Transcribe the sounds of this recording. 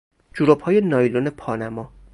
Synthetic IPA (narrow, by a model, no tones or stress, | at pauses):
d͡ʒuɾobhɒːjenɒːjlonepʰɒːnæmɒː